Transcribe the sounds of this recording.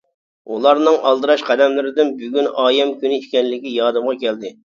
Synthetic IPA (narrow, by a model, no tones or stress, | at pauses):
ulˠɑɾnɨŋʔɑlˠd̪ɨɾɑʃqʰɛd̪ɛmlɪɾɪd̪ɪnbyɡʲynɑːjɛmkʲynɪiʃkʲɛnlɪkʲijɑːd̪ɨmʁɑkʲʰɛld̪ɪ